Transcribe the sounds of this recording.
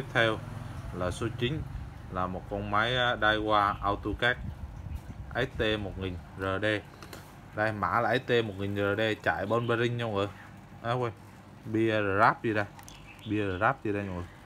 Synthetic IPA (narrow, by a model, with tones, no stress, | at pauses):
t̪i˦˥p̚t̪ʰɛ˧wlaː˨˩so˨˦t͡ɕï˨˦ŋ̟ | laː˨˩mo˨˩t̚kɔ˧nmaː˨˦jɗa˧jɣwaː˧ʔaː˧wt̪u˧kɛː˦˥k̚ | ʔa˨˦˥j̚t̪e˧mo˨˩t̚ŋï˨˩ŋ̟zəː˨˩ɗe˧ | ɗaː˧jma̰ː˧˩laː˨˩ʔa˨˦jt̪e˧mo˨˩ŋi˨˩ŋ̟zəː˨˩ɗe˧t͡ɕa̰ː˧˨jɓə˧nɓa˧zï˧ŋ̟ɲɔ˧wŋʔə˨˩ | ʔaː˨˦wə˧j | ɓi˧zəː˨˩zaː˦˥p̚zi˨˩ɗaː˧ | ɓi˧zəː˨˩zaː˦˥p̚zi˧˨˩ɗaː˧ɲo˧wŋə˨˩